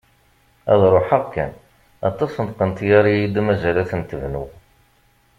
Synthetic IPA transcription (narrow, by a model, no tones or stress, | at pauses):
æ̰ðˤɾˤoħaʁkːæ̰n | ɑt̪ˤːɑsənt̪qənt̪jæɾijid̪mæzælæθnt̪əvnṵ